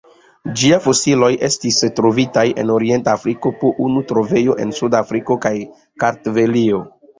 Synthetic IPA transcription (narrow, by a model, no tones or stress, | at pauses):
d͡ʒiajfo̞silo̞jʔe̞stistɾo̞vitaje̞̰no̞ɾie̞ntafɾiko̞poʔunutɾo̞ve̞jo̞ʔe̞̰nsudafɾiko̞kaj | kaɾtvelio